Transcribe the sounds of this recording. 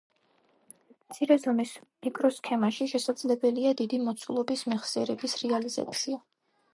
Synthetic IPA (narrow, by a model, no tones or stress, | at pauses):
mt̪sʰiɾɛzɔmismikʼɾɔskʰɛmaʃiʃɛsad̪zlɛbɛliad̪id̪imɔt̪sʰulˠɔbismɛχsiɛɾɛbisɾɛaliza̰t̪sʰia